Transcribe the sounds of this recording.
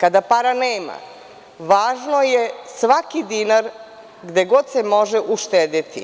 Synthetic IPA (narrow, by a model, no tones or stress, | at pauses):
kad̪apaɾaneːma̰ | ʋaːʒno̞jesʋakid̪inaɾ | ɡd̪eɡod̪semo̞ʒeʔuʃt̪ed̪it̪ḭ